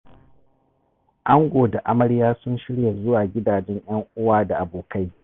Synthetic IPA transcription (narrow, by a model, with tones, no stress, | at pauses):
ʔa˦ŋɡʷoː˨da˨ʔa˦mɐ˦ɽjaː˦sʊ˦nʃɪ˦ɽja˨zʊ˦waː˨ɡʲɪ˦daː˨d͡ʒɛ˦ɲj̰ɐ˦ŋʔʊ˦waː˦da˨ʔa˨boː˨ka˦j